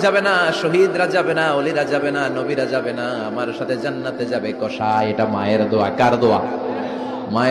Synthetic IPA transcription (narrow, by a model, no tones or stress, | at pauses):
d͡ʑabenaʃoɦid̪ɾad͡ʑabenaoliɾad͡ʑabenanobiɾad͡ʑabena | amaɾʃat̪ʰed͡ʑanːat̪ed͡ʑabekɔʃaeʈamaeɾd̪oakaɾd̪oa | ma